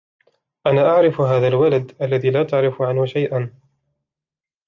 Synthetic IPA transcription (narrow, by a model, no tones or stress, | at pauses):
ʔanaːʔaʕɾɪfɦaːðalwalad̪ʔalːaðiːlaːt̪aʕɾɪfʕanhʊʃajʔan